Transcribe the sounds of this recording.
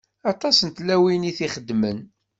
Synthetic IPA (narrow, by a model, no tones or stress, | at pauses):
ɑt̪ˤɑsənt̪læwiniθiχəd̪ːmən